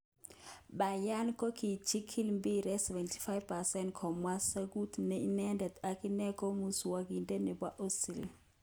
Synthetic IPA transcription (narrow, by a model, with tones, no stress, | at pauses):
ɓa˨ja˦nkʼo˦kʰi˨t͡ʃʰi˦kʰi˦li˨mbi˨ɾɛ˦sɛ˨vɛ˨ntʰi̥fa˦jvpɛ˨sɛ˦ntkʰɔ˨mwa˦sa˦k̬u˦tʰne˨i˦nɛ˦ndɛ˨da˨kʼi˦nɛ˦kʼo˦mu˦su˨wa˨k̬i˨ntʼɛ˦nɛ˨ɓwa˦ʔo˦si˨l